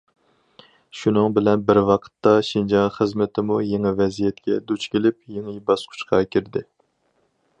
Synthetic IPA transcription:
ʃunɨŋbɪlɛnbɪɾwɑqʰə̥t̪ːɑʃind͡ʒɑŋχəzmɪt̪ʰɪmujeŋɪvɛzijɛt̪kʲɛd̪ut͡ʃkʲelɪpjeŋɪbɑsqʰʊ̥ʃqʰɑkʲʰiɾd̪ɪ

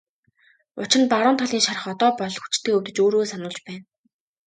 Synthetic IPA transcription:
ʊ̰t͡ɕɪ̆npaɾʊːnt̪ʰɔɮiːnʃaɾə̆χɔt̪ɔːpɔɮxut͡ɕt̪ʰeːɵwt̪ɘ̆t͡ɕoːɾoːsanʊːɮt͡ɕpæːn

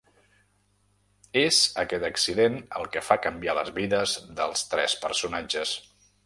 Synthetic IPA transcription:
ezəkɛt̪əksiðenəlˠkəfakəmbialəzβiðəzðəlˠst̪ɾɛspəɾsunad͡ʒəs

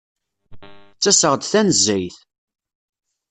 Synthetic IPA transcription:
t͡sːæsəʁd̪θænəzːæjθ

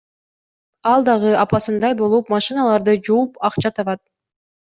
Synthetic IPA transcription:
ɑlˠd̪ɑʁɯɑpɑsɯnd̪ɑjbo̞lˠupmɑʃɨnɑlˠɑɾd̪ɯd͡ʒuːpɑqt͡ʃɑt̪ʰɑβɑt̪̚

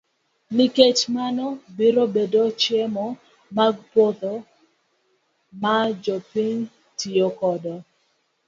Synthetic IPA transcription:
niket͡ʃmanɔbiɾobedot͡ʃjemɔ | maɡpot̪ɔ | mad͡ʒɔpiɲ | tʰiokɔdɔ

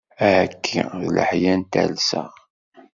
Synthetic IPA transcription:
æhækʰːḭðlə̰ħjænt̪æ̰lsə̰ʁ

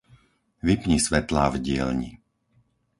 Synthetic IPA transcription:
ʋipɲisʋɛt̪laːvɟɪɛ̰lɲḭ

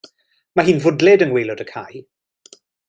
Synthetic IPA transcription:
maɦiːnvʊdlɛdənwejlʊdəkʰaj

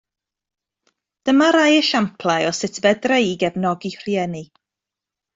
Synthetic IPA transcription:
d̥əmaɾajəʃampʰlˠajɔsɪtʰbɛdrejɡɛvnɔɡir̥jɛni

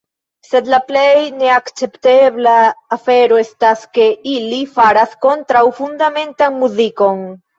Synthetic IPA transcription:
sed̪laplejneakt͡ʃept̪eβlaafeɾoest̪askeilifaɾaθkont̪ɾawfund̪amẽnt̪aŋmuðikoŋ

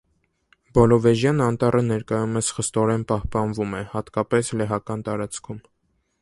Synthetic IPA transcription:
bɔlɔvɛʒjɑnɑnt̪ɑrʔənɛɾkɑjumɛsχəst̪ɔɾɛnpɑhpɑnvumɛhɑt̪kɑpɛslɛɦɑkɑnt̪ɑɾɑt͡skʰum

